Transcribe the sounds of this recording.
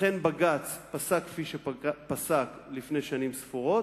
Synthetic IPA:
enbaɡat͡spasakfiʃepasaklifneʃanimsfuʁo̞t

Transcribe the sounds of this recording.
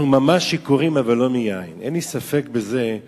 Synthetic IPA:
mamaʃːikuʁimavalːo̞mijainḛnlisafe̞kbeze̞

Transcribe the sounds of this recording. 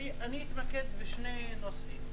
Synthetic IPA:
iʔaniːt̪maked̪beʃnenosim

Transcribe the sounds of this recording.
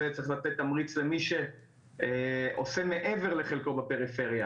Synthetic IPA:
et͡sʁiχlat̪et̪amʁit͡sle̞miʃe | eʔo̞̰seme̞ʔeve̞ʁle̞χelko̞bape̞ʁife̞ʁja

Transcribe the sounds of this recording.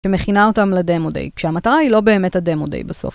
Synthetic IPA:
ʃeme̞χinaotamledemodḛjkʃeamataʁailo̞be̞ːmethademodḛjbeso̞̰f

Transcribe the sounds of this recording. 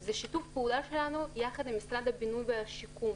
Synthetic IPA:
zeʃit̪ufpeudaʃe̞lanujaχad̪imisɾad̪abinujveaʃikum

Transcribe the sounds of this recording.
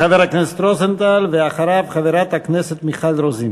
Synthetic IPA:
χaveɾhakneset̪ɾozent̪alveaχaɾavχaveɾat̪hakneset̪miχalɾozin

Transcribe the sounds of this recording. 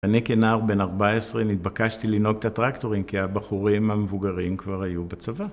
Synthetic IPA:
anikenaːʁbe̞naʁbaesʁenit̪̚bakaʃtilino̞ɡt̪at̪ʁakt̪o̞ʁimkiabaχuʁimhamevuɡaʁimkvaʁhajubat͡sava

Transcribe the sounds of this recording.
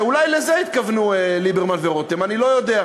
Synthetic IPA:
ulajlezeit̪kavnuelibeʁmalveʁot̪emanilo̞jo̞d̪ea

